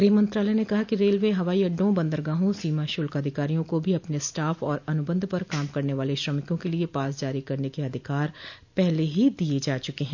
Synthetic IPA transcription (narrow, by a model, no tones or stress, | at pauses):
ɡɾeːmə̃nt̪ɾaːlɛːnekɐɦakiɾeːlʋeːɦɐʋaːiɐɖːõbə̃nd̪əɾɡãːɦõsiːmaːʃʊlkəd̪ʱɪkaːɾijõkobʱiɐpnesʈaːfʰɔːɾɐnʊbə̃nd̪ʱpəɾkaːmkɐɾneʋaːleʃɾəmɪkõkeliepaːsd͡ʒaːɾikɐɾnekeɐd̪ʱɪkaːɾ | pɛɦleɦid̪ied͡ʒaːt͡ʃʊkeɦɛ̃ː